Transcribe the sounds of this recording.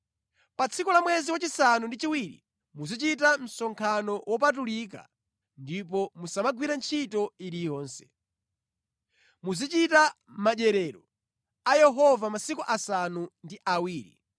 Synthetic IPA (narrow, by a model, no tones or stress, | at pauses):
pat͡sʰikulamwɛziwat͡ʃisanundit͡ʃiwiɾḭ | muzit͡ʃitam̩sɔŋkʰanɔwɔp̬at̬ulik̬a̰ | ndipɔmusamaɡwiɾant͡ʃʰitɔiɾijɔːnsɛ̥ | muzit͡ʃita | maʄɛɾɛɾɔ | ajɛɦɔvamasikuʔasanundiʔawiːɾḭ